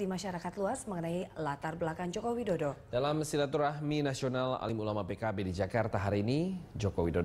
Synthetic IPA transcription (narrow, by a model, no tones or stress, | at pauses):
dimaʃaɾakat̪luasməŋənailat̪arbəlakand͡ʒokowidodod̥alamsilat̪uɾahminasionala̰limulamapekabedid͡ʒakart̪aɦaɾiːnid͡ʒokowidod